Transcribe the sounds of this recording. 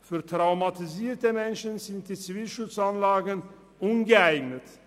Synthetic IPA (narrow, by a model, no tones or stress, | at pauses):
fyːɐtʁ̥aʊmatiziːɐtəmɛnʃənzɪnt̚d̥iːt͡siviːlʃʊt͡sanlaːɡən | ʔʊnɡəaɪɡnət